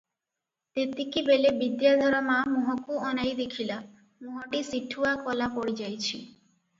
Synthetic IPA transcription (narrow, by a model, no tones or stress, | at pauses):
t̪et̪ikibelebid̪jad̪ʱɔɾɔmamuɦɔkuɔnajd̪ekʰila | muɦɔʈisiʈʰuakɔlapɔɽid͡ʒajt͡ʃʰi